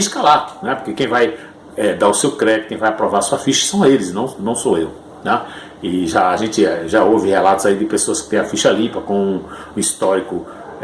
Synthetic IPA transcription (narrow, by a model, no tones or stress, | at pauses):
iskalat̪ʊ̥nɛpoɾkekẽj̃vaj | ɛd̪aʊsewkɾɛkkẽj̃vajapɾɔvaɾɐsuɐfiʃɐ̥sɐ̃w̃elɪsnɐ̃w̃nɐ̃w̃soew | na | ɪʒaaʒẽnt͡ʃ̪ɪɛʒaovɪhɛlat̪ʊz̥aid̪ɪpesoɐskɪ̥t̪ẽj̃ɐfiʃɐlĩpɐkõʊist̪ɔɾikʊ